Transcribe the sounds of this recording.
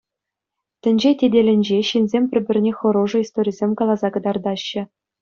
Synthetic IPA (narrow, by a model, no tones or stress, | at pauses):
tʲɘ̆nʲd͡ʑetʲedʲelʲɘ̆nʲd͡ʑeɕinzʲemʲpʲɘ̆rʲbʲɘ̆rʲnʲexɤ̆ɾoʐɤ̆ist̪oɾʲizʲemʲkɑlˠɑzɑkɤ̆d̪ɑrd̪ɑɕːɘ̆